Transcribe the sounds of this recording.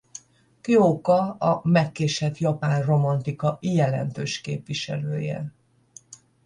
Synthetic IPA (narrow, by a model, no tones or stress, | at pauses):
kioːkɒɒmɛkːeːʃɛt̪jɒpaːnro̞mɒnt̪ikɒʔijɛlɛ̰nt̪øːʃkḛːpʋiʃɛ̰løːjɛ̰